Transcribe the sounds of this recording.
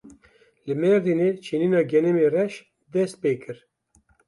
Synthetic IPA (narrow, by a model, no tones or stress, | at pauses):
lɨmɛɾd̪ineːt͡ʃʰeniːnɑːɡɛnɛmeːrɛʃ | d̪ɛst̪̚peːkɨɾ